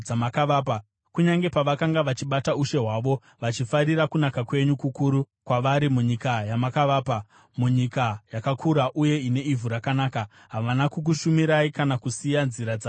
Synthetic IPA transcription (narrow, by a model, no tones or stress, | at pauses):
amakaʋaːpa | kuɲaŋɡe̞paʋakaŋɡaʋat͡ʃiɓatauʃe̞ɦwaʋo̞ | ʋat͡ʃifaɾiɾakunakakwe̞ɲukukuɾu | kwaʋaɾimuɲikajamakaʋaːpa | muɲikajakakʰuɾaʔuje̞ine̞ivuɾakanaːka | ɦaʋanakuk̬uʃumiɾaikanakusijanziɾad͡za